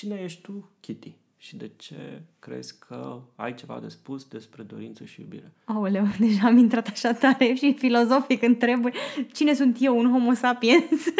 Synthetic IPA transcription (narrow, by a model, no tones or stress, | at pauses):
t͡ʃinejeʃʲt̪ukʲit̪i | ʃid̪e̞t͡ʃḛkɾḛd̪zʲkʰə̰a̰jt͡ʃe̞va̰d̪e̞̰spusd̪e̞spɾe̞d̪o̞ɾint̪səʃijubḭɾeauleod̪e̞ʒaːmint̪ɾat̪aʃat̪aɾe̞ʃifilo̞zo̞fikɨnt̪ɾe̞bujt͡ʃine̞sunt̪je̞wunɦo̞mo̞sapient̪s